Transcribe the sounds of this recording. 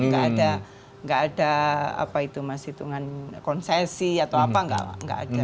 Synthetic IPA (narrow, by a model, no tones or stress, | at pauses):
ŋɡaʔada | ŋɡaːdaa̰pait̪umasit̪uŋankɔnsesiat̪awappaŋɡa̰ŋɡa̰ʔa̰da